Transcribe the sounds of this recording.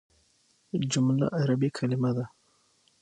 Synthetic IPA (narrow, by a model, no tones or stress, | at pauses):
d͡ʒumla̰ʔaɾabikʰalimad̪a